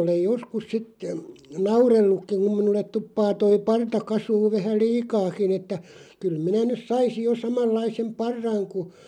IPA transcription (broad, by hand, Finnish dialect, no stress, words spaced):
olej joskus sit nɑurelːukːiŋ̆ kum minulːet tupːɑː toi pɑrtɑ kɑsuːʋ ʋæhæ liːkɑːkin etːæ kyl minæ nys sɑisij jo sɑmɑlːɑisem pɑrːɑŋ ku